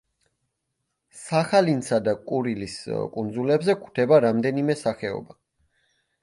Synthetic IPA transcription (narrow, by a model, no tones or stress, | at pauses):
saχalinsad̪akʼuɾiliskʼund̪zulɛbzɛkʰu̥t̪ʰɛbaɾamd̪ɛnimɛsaχɛɔ̰ba